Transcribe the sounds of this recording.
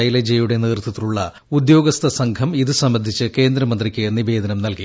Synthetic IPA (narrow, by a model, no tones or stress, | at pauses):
ɐjilɐd͡ʑejuɽe̞niːrt̪ːɐt̪ːiluɭːɐ | ud̪jo̞ːɡɐst̪ʰɐsɐŋɡʰɐmiðɨsɐmbɐnd̪ʱit͡ɕːɨke̞ːnd̪ɾɐmɐnd̪rikʲːɨnibe̞ːd̪ʱɐnɐmnɐlki